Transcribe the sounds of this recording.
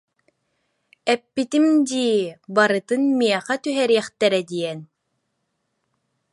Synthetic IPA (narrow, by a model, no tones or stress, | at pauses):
ɛpːit̪imd̪iːbaɾɯt̪ɯnmiɛχɛt̪yɦɛɾiɛχt̪ɛɾɛd̪iɛn